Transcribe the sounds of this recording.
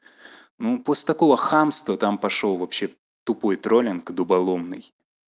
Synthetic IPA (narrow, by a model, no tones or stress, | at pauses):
nuposʲt̪ɐko̞vəxamst̪vət̪ampɐʂovɐpɕːe | t̪ʊpo̞jt̪ɾolʲɪnkd̪ʊbɐlˠomnɨj